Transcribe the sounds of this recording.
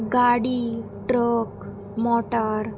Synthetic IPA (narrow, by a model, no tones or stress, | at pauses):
ɡaɽi | ʈɾok | mɔʈəɾ